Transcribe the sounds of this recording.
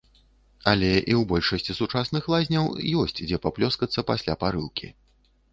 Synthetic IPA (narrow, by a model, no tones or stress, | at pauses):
ɐlʲɛʔiwbɔlʲʂɐsʲt͡sʲisut͡ʂasnɨxlˠazʲnʲɐwjɔsʲt͡sʲd͡zʲɛpaplʲɔskɐt̪sːɐpasʲlʲapaɾɨlˠkʲʰḭ